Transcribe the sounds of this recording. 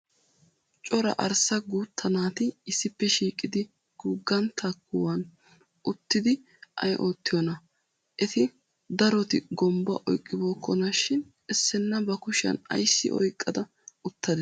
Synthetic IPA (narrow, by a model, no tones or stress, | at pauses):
t͡ʃʼɔɾɐ̰ʔɐɾsɐɡuːt̪ʰːɐnaːt̪ɪɪsːɪpːɛʃiːkʼːɪd̪ɪ | ɡ̥uːɡːɐnt̪ʰːɐkːʊwɐn | ʊt̪ːɪd̪ɪ | ʔɐ̰jʔo̞ːt̪ːɪjɔnɐ | ʔɛt̪ɪ | d̪ɐɾɔt̪ɪɡɔmbɐ̰ʔɔjkʼːɪbo̞ːkːɔnɐʃɪn | ɛsːɛnːɐbɐkʊʃɐ̰nɐ̰jsːɪ̰ʔɔ̰jkʼːɐd̪ɐ | ʊt̪ːɐd̪